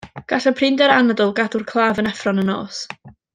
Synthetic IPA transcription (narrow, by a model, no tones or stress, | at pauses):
ɡ̥aɬəpʰrɪndɛɾanɛdʊlˠɡadʊrkʰlˠaːvənɛfrɔnəno̰ːs